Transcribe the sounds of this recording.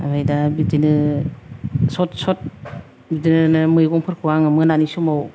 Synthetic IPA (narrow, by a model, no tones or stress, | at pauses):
a̰bajdabidinɯ | sɔtsɔt̚ | bidinɯnɯmɯjɡɔŋpʰɯɾkʰɯwaŋɯmɯnanisumaw